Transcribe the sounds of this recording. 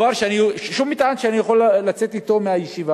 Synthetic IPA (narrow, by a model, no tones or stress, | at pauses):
aɾʃeaniʃʃumit̪ʕanʃeanijaχo̞lːat͡set̪it̪o̞meajeʃiva